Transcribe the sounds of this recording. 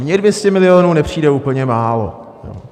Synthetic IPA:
mɲɛdvjɛscɛmɪlɪjoːnuːnɛpr̝̥iːdɛuːpl̩ɲɛmaːlo̰ | jo̰ː

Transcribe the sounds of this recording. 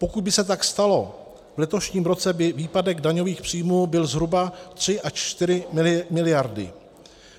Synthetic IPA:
po̞kud̪̚bɪsɛt̪akst̪alo̞ | vlɛt̪o̞ʃɲiːmɾo̞t͡sɛbɪviːpadɛɡdaɲo̞viːxpr̥iːjmuːbɪlzɦɾubat̪r̝̥ɪʔat͡ʃt̪ɪɾɪmɪlmɪlɪjaɾdɪ̰

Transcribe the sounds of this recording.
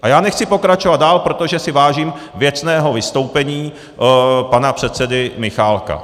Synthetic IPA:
ʔajaːnɛxt͡sɪpo̞kɾat͡ʃo̞vad̪̚daːlpɾo̞t̪o̞ʒɛsɪvaːʒiːm | vjɛt͡snɛːɦo̞vɪst̪o̞wpɛɲiː | panapr̝̥ɛt̪t͡sɛdɪmɪxaːlka̰

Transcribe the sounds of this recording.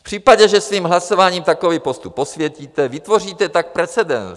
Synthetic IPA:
fpr̝̥iːpaɟɛʒɛsviːmɦlaso̞vaːɲiːmt̪ako̞vipost̪upːo̞svjɛciːt̪ɛvɪt̪vo̞r̝iːt̪ɛt̪ak̚pɾɛt͡sɛdɛ̰n

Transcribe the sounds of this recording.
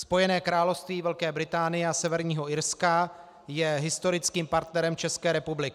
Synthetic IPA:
spo̞jɛnɛːkɾaːlofst̪viːvɛlkɛːbɾɪt̪aːnɪjɛasɛvɛɾɲiːɦo̞ɪɾska | jɛɦɪst̪o̞ɾɪt͡skiːmpaɾt̪nɛɾɛmt͡ʃɛskɛːɾɛpublɪkɪ

